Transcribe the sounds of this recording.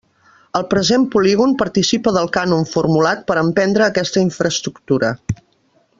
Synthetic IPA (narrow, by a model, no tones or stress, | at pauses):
əlˠpɾəzempuliɣ̞unpəɾt̪isipəðəlˠkanunfurmulat̪̚pəɾəmpɛnd̪ɾəːkɛst̪əiɱfɾəst̪ɾukt̪uɾə